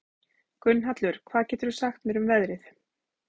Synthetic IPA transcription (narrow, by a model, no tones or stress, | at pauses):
kʏnːɦat̪lʏɾ̥kʰvaːðcɛːt̪ʏɾsaxt̪mɛːɾʏmvɛðɾɪθ